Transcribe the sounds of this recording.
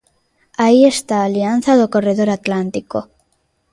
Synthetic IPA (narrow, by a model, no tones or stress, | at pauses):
aie̞st̪aːlianθaðoko̞re̞ð̞o̞ɾat̪lant̪iko̞